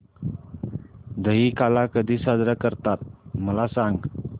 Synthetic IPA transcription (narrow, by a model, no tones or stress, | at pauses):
d̪əɦikalakəd̪isad̪ɾakəɾt̪at̪̚məlasaŋ